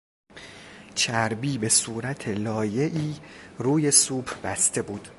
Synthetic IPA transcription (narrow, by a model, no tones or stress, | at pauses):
t͡ʃʰæɾbiːbe̞suːɾæt̪ʰe̞lɒːje̞ʔiːruːje̞suːbʰbæst̪e̞buːd̪̥